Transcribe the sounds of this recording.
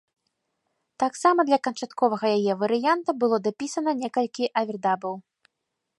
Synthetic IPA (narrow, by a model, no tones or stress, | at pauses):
t̪aksamɐd̪lʲɐkɐnt͡ʂat̪kɔvɐɣɐjajɛvɐɾɨjant̪ɐbɨlˠɔd̪apʲisɐnɐnʲɛkɐlʲkʲiʔɐvʲɛrd̪abɐw